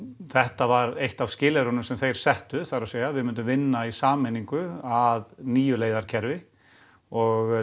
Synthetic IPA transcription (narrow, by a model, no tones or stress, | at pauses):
θɛht̪avaɾejht̪avscɪːlɛɾɔnʏmsɛmθejɾ̥sɛht̪ʏθaɾawseːjavɪðmʏnt̪̬ʏmvɪnːaisaːmɛniŋkʏaðniːjʏleːjðaɾ̥cʰɛɾvɪ | ɔɣ